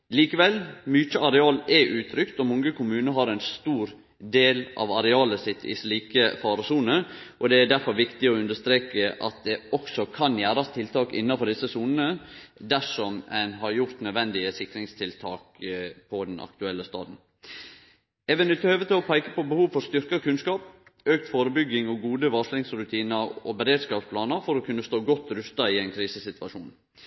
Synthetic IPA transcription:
liːkəʋɛlmyːtəɑɾɛɑːlɛʔʉːt̪ʰɾʏkt̪ɔmɔŋɡəkʊmʉːnəɦɑɾɛnst̪uːɾ | d̪eːlʔɑ̰ʋɑɾɛɑːləsɪt̪ʰːɪ̰sliːkəfɑːɾɔsuːnəʔɔd̪ɛæɖ̪æɾfɔɾʋɪkt̪ɪɔʉnd̪əʂt̪ɾeːkəʔɑ̰t̪̚d̪ɛɔksɔkʰɑnjæːɾɑst̪ʰɪlt̪ʰɑːkɪ̰nːɑfɔɾd̪ɪsəsuːnənəd̪æʂɔmɛnɦɑɾjʊɾt̪nœd̪ʋɛnd̪ɪəsɪkɾɪŋst̪ʰɪlt̪ʰɑːkpʰɔd̪ɛnʔɑ̰k̚t̪ʉɛlːəst̪ɑ̰ːd̪n̩ | ɛʋɛnɪt̪əhøːʋət̪lɔpʰæɪkəpɔbəhuːʋfɔɾst̪ʏɾkɑkʉnskɑːp | øːk̚t̪foːɾəbʏɡɪŋɔɡuːd̪əʋɑʂlɪŋsɾʉt̪ʰiːnəɾɔ̰bəɾeːd̪skɑːpspʰlɑːnəɾfɔɾɔkʰʉnːəst̪oːɡɔt̪ːɾʉst̪ɑɪɛɪnkʰɾiːsəsɪt̪ʉʋɑʂuːn

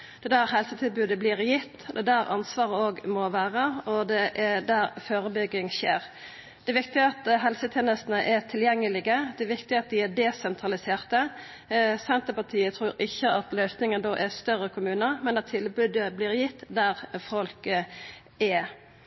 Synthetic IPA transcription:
d̪̥ɛd̪æːɾhɛlsət̪ʰɪlbʉːd̪əblɪʁjɪt̪ːd̪ɛd̪æɾɑ̰nsʋɑːʁəoːɡmɔʋæːʁəɔd̪ɛʔd̪æɾføːɾəbʏɡːɪŋɕḛːʁ | d̪̥ɛɛʋɪkt̪ɪəɑt̪ɦɛlsət̪ʰeːnəst̪ənəʔɛt̪ʰɪljɛŋːəlɪɡəd̪ɛɛʋɪkt̪ɪɑt̪̚d̪ɪɛd̪ɛsɛnt̪ʰʁɑlɪseːʁt̪ə | sɛnt̪əpɑt̪ʰiːət̪ʰɾuːɾɪçːəʔɑt̪lœʏsnɪŋənd̪oːʔɛst̪œʁːəkʰʊmʉːnəmɛnd̪ɛt̪ʰɪlbʉːd̪əblɪːɾjɪt̪ːd̪æʁfɔlkə | ɛ

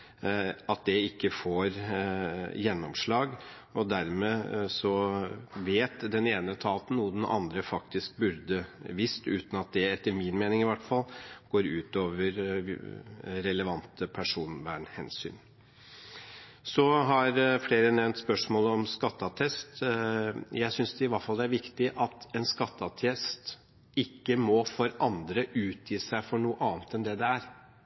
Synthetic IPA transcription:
ɑt̪̚d̪ɛɪkːəfoːɾ | jɛnːɔmʂɭɑːɡ | ɔd̪æɾmeːsɔʋeːt̪d̪ɛneːnət̪ʰɑːlt̪nuːəd̪ɛnʔɑ̰nd̪ɾəfɑk̚t̪ɪsk̚bʉɾd̪əʋɪst̪ʉ̰ːt̪n̩ɑt̪̚d̪ɛɛt̪ːəɾmɪnmeːnɪŋɪʋæʈfɑlɡ̥oːɾʉːt̪oːʋəɾ | ɾɛləʋɑnt̪əpʰæʂuːnʋæːɳhɛ̰nsy̰ːn | sɔɦɑɾfleːɾənɛʋnt̪spœʂmoːlɔmskɑt̪ːɑt̪ʰɛst̪ | jæɪsʏnsd̪ɛɪʋɑɾfɑld̪ɛæɾʋɪkt̪ɪʔɑt̪ɛnskɑt̪ːɑt̪ʰjɛst̪ | ɪkːəmɔfɔɾʔɑnd̪ɾəʔʉːt̪ʰjiːsæɪfɔɳuːəʔɑːnt̪ɛnd̪ɛd̪ɛæɾ

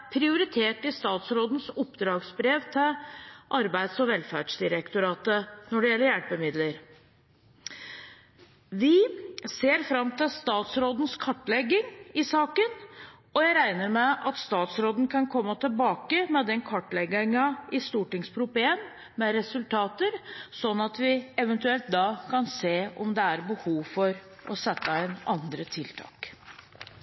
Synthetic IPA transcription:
pʰɾɪʊɾɪt̪ʰeːʈɪst̪ɑːt̪sɾoːd̪n̩sʊpːd̪ɾɑːɡsbɾeːʋt̪ʰɪʔɑɾbæɪd̪sɔʋɛlfæɖʂd̪ɪɾɛkt̪ʊɾɑːt̪ənɔɖɛjɛlːəɾjæɽpəmɪd̪ləɾ | ʋɪseːɾfɾɑmːt̪ɪlst̪ɑːt̪sɾoːd̪n̩skʰɑʈːlɛɡːɪŋɪsɑːkən | ɔjæɪɾæɪnəɾmɛʔɑt̪st̪ɑːt̪sɾoːd̪n̩kʰɑnkʰɔmːət̪ʰɪlbɑːkəmɛd̪ɛnkʰɑʈːlɛɡɪŋɑɪst̪uːʈɪŋspʰɾʊpleːn | mɛɾɛsʉlt̪ʰɑːt̪əɾsɔnːɑt̪ʋɪɛʋənt̪ʉɛlt̪̚d̪ɑːkʰɑnseːɔmd̪ɛæɾbəhuːʋfɔɾ | ʔɔsɛt̪ːəæɪnɑnd̪ɾət̪ʰɪlt̪ʰɑ̰ːk

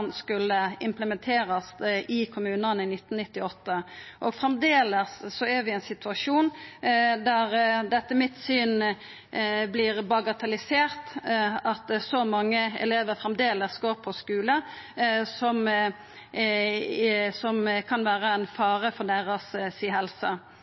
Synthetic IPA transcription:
nskʉlːəɪmpləmɛnt̪ʰeːɾəst̪ɪkʰʊmʉːnənəɪnɪt̪ːnnɪt̪ːɪɔt̪ːəʔɔɡfɾɛmd̪eːləsːɔæɾʋɪɛnsɪt̪ʉɑʂuːn | d̪æʁd̪ɛt̪ːəmɪt̪syːn | blɪʁbɑɡɑt̪ɑlɪseːʁt̪ɑt̪sɔmɑŋːəɛ̰leːʋəɾfɾɛmd̪eːləsɡoːɾpʰɔskʉːlə | sɔm | sɔmkʰɑnʋæːɾəɛnfɑːɾəfɔd̪æɾəssiɦɛlsə

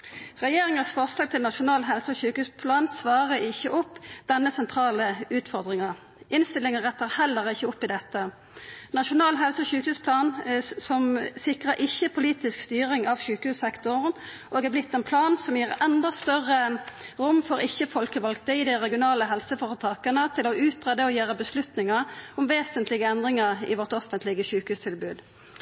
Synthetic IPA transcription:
ʁɛjeːʁɪŋəsfɔʁslɑːɡ̚t̪ʰɪlnɑʃʊnɑːlɦɛlsəɔçʉːkhʉːspʰlɑːnsʋɑːʁəɪçːəʔɔpːd̪̥ɛnːəsɛnt̪ʰʁɑːləʉːt̪fɔʁd̪ʁɪŋɑ | ɪnst̪ɪlɪŋənʁɛt̪ːəʁhɛlːəʁɪçːəɔpːɪd̪ɛt̪ːə | nɑʃʊnɑːlɦɛlsəɔçʉːkhʉːspʰlɑːnsɔmsɪkʁəɾʔɪçːəpʰʊliːt̪ɪskst̪yːʁɪŋɑʋɕʉːkəhʉːsɛkt̪ʊʁn | ʔoːɡæblɪt̪ʰːɛnpʰlɑːnsɔmjiːʁɛnd̪ɑst̪œʁəʁʊmːfɔɾɪçəfɔlkəʋɑlkt̪əɪd̪ɪʁɛɡɪʊnɑːləɦɛlsəfɔʁət̪ʰɑːkənət̪ʰɪlɔʉːt̪ʁɛd̪əɔjøːʁəbəslʉt̪nɪŋəʁʊmʋeːsənt̪lɪɡəɛnd̪ʁɪŋəʁɪ̰ʋɔʁt̪ɔfənt̪lɪɡəçʉːkəhʉːst̪ʰɪlbʉːd̪

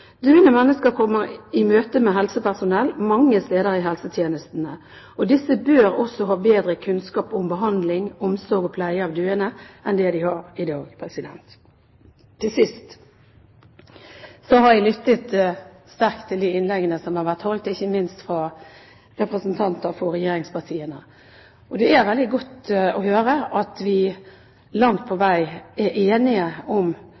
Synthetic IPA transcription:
d̪ʉːənəmɛnːəskəɾkʰɔmːəʁɪmøːt̪əmɛɦɛlsəpʰæʁsʊnɛlːmɑŋːəst̪eːd̪əʁɪɦɛlsət̪ʰjeːnəst̪nə | ɔd̪ɪsːəbøːʁɔsɔɦɑːbeːd̪ʁəkʰʉnskɑːpʊmbəɦɑnd̪lɪŋɔmsɔɡɔpʰlæɪəɑːʋd̪ʉːənəʔɛnd̪ɛd̪ɪhɑʁɪd̪ɑːɡpʰʁɛsɪd̪ɛ̰nt̪ | t̪ʰːɪlsɪst̪ | sɔhɑɾʋɪlʏt̪ːət̪st̪æɾk̚t̪ʰːɪld̪iɪnlɛɡənəsɔmhɑɾʋæt̪hɔlt̪ɪçːəmɪnst̪fɾɑ | ɾɛpɾəsnt̪ʰɑnt̪əɾfɔɾɛjeːɾɪŋspʰɑʁt̪ʰiːənə | ʔɔd̪ɛæɾʋɛld̪ɪɡɔt̪ɔhøːɾəʔɑt̪ʋɪ | lɑŋt̪̚pʰɔʋæɪæɾʔeːnɪəɔm

